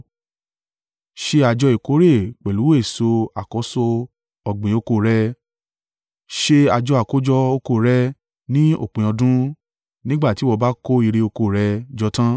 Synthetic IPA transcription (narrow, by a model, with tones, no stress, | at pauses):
ʃe˧a˧d͡ʒɔ˧i˨ko˨˦ɾe˦˨k͡pɛ˨lu˨˦we˦e˦˨so˧a˨kɔ˨˦so˧ | ɔ˨ɡ͡bẽ˨o˨˧ko˧˨ɾɛ˧ | ʃe˧a˧d͡ʒɔ˧a˨ko˦d͡ʒɔ˦o˧˦ko˧˨ɾɛ˦ | nĩ˦o̰˦˨k͡pẽ˨ɔ̃˧dũ˦ | nĩ˦ɡ͡ba˦˨ti˨˦wɔ˧ba˦ko˦i˧ɾe˧o˧ko˧˨ɾɛ˧d͡ʒɔ˧˦tã˦